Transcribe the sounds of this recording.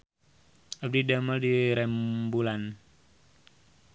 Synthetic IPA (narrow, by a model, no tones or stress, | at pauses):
ab̚didaməldiɾɛmbulan